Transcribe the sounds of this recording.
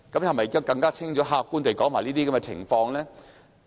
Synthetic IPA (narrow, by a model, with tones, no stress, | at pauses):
kɐ˨˥mhɐ˨jmɐ˨jkːa˥wkɐ˧ŋkaː˥t͡sʰɪ˥ŋɔː˨˥ɦaː˧kːuː˥nt̪e˨jkɔː˨˥ŋmaː˨˩jliː˥i˥ɐ˧˥mɛ˧t͡sʰɪ̰˨˩ŋfɔː˧ŋlɛː˥